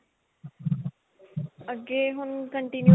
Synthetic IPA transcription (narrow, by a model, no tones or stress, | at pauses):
əɡeːɦʊnkəɳʈinju